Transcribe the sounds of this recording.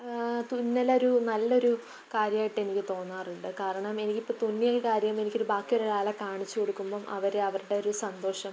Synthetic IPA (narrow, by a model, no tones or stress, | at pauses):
t̪unːɐlo̞ɾunɐlːɐo̞ɾu | kaːɾjɐmaːjiʈːe̞nikʲːɨt̪o̞ːnːaːruɳɖɨkaːɾɐɳɐme̞nikʲːipːoːt̪unːijɐkaːɾjɐme̞nikʲːo̞ɾubaːkːijoɾeaːlɐkaːɳit͡ɕːuko̞ɽukːumboːmʔɐ̰ʋɐɾeɐʋɐruɽe̞o̞ɾusɐnd̪o̞ːʂɐm